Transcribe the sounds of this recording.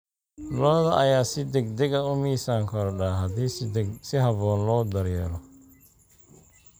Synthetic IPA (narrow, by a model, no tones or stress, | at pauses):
lɔːðɐʔɐjaːsɪd̪ɛɡd̪ɛɡɐʊmiːsaːŋkʰɔɾɖaːɦɐdiːsɪɦɐβɔːnlɔːd̪ɐɾjɛːlɔ